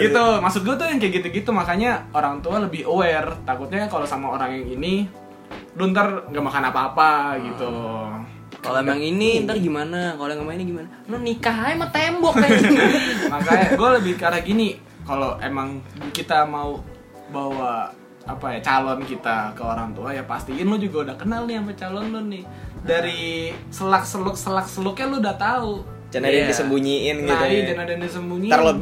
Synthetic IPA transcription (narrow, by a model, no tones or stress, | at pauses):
ɡit̪umasʊt̪̚ɡuat̪ujaŋkajakit̪uɡit̪umakaɲaoɾaŋt̪ualəbɪhowɛrt̪akut̪̚ɲakalosamaoɾaŋjaŋini | dunt̪ərŋɡamakanapaːpaɡit̪u | kalaaŋinint̪ərɡimanakalojaŋɡamainiɡimana | nɔnikaɦaɛmat̪embɔk | makaaɡualəbɪhkaɾaɡini | kaloʔḛmaŋkit̪amau | bawa | apajat͡ʃalɔnkit̪akəoɾaŋt̪uajapa̰st̪iɪnlʊd͡ʒuɡaudahkənalnɪhamat͡ʃalɔnlʊnɪh | daɾisəlak̚səlʊk̚səlak̚səlʊkɲalʊudat̪au | d͡ʒanadajaŋdisəmbuɲiɪnɡitaid͡ʒanadajaŋdisəmbuɲialo